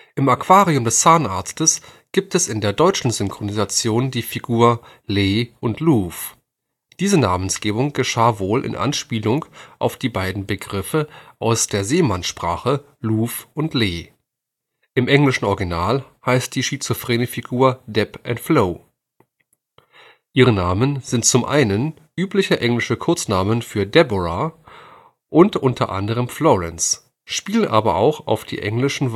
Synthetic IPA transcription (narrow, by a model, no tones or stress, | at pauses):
ʔɪmakv̥aːʁiʊmdɛst͡saɐnʔaːɐt͡stəsɡ̥iːp̚tɛsɪndeːɐdɔʏt͡ʃn̩zʏŋkʁ̥onizat͡sjoːndiːfiɡuːɐ | leːʔʊntʰluːf | d̥iːzənaːmənsɡ̥eːbʊŋɡ̥əʃaːvoːlʔɪ̰nʔa̰nʃpiːlʊŋʔa̰ʊfd̥iːbaɪdn̩bəɡʁɪfəʔaʊsd̥eːɐzeːmanʃpʁ̥a̰ːχə | luːfʔʊntʰleː | ʔɪmʔɛŋlɪʃn̩ʔɔɐɡinaːlhaɪst̚d̥iːʃit͡sʊfʁ̥eːnəfiɡuːɐdɛpʔɛntfloː | ʔiːʁənaːmənzɪnt̚t͡sʊmʔa̰ɪnən | ʔyːplɪçəʔɛŋlɪʃəkʰʊɐt͡snaːmənfyːɐdɛbɔʁa | ʔʊntʔʊntʰɐʔa̰ndəʁ̞əmflɔʁɛ̰ns | ʃpiːlənʔaːbɐʔa̰ʊxa̰ʊfd̥ḭːʔɛŋlɪʃn̩